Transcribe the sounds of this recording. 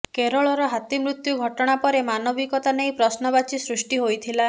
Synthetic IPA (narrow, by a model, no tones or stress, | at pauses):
keɾɔɭɔɾɔɦat̪imɾut̪juɡʱɔʈɔɽ̃apɔɾemanɔbikɔt̪anejpɾɔsnɔbat͡ʃisɾusʈiɦojt̪ʰila